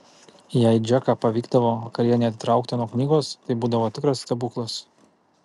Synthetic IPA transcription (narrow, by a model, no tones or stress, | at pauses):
jɛɪd͡ʒʲɛkɑːpɐʋʲiːɡd̪ɐʋoːkɐɾʲɛnʲɛt̪ʲɪt̪ɾɑˑʊkt̪ʲɪnuɔknʲiːɡoːst̪ɐɪbuːd̪ɐʋoːt̪ʲɪkɾɐsst̪ʲɐbuːklˠɐs